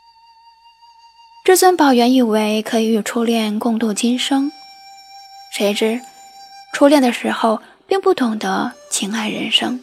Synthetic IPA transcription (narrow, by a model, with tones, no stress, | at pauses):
ʈ͡ʂɤ˥˩swə˥npɑ˨˩ʊɥɛ˧˥ni˥˩we˧˥ɪkʰɤ˧˥i˧˥y˨˩ʈ͡ʂʰu˥ljɛ˥˧nkʊ˥˧ŋt̪u˥˩t͡ɕi˥nʂɤ˥ŋ | ʂe˧˥ɪʈ͡ʂɻ̩˥ | ʈ͡ʂʰu˥ljɛ˥˩nd̪ə˩ʂɻ̩˧˥xo˥˧ʊ | pi˥˧ŋpu˥˩t̪ʰʊ˧˥ŋd̪ə˧t͡ɕʰi˧˥ŋa˥˩ɪɻə̰˧˥nʂɤ˥ŋ